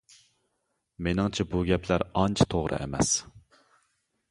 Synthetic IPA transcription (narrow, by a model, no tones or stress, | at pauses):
menɪŋt͡ʃʰɛbuɡʲɛpʰlæɾɑnt͡ʃʰt̪ʰoʁɾʔɨ̰ʔḛmɛ̰s